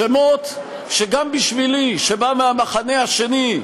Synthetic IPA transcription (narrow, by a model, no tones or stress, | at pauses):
emo̞t̪ | ʃeɡambiʃviliʃebameamaχane̞haʃe̞ni